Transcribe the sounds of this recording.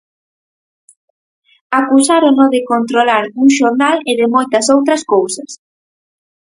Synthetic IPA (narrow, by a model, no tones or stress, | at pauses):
akusaɾonoðɪkont̪ɾolaɾuŋʃoɾnaleðɪmojt̪ɐsowt̪ɾɐskowsɐs